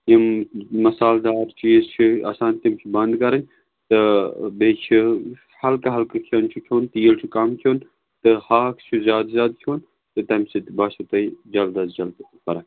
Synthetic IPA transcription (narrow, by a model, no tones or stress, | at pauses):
jimmɐsaːld̪aːɾt͡ʃʰizt͡ʃʰia̰saːnt̪imt͡ʃʰibɐnd̪kɐɾɐn | t̪ɨbeːt͡ʃʰi | hɐlkɐɦɐlkɐkʰont͡ʃʰukʲʰjoːnt̪ɨjilt͡ʃʰukɐmkʰoːn | t̪ɨhaːkʰt͡ʃʰuzʲjaːd̪zʲaːd̪̚kʲʰjoːn | t̪ɨt̪ɐmsit̪baːt͡ʃʰut̪ɐid͡ʒɐld̪ɐsd͡ʒɐlt̪pɐɾa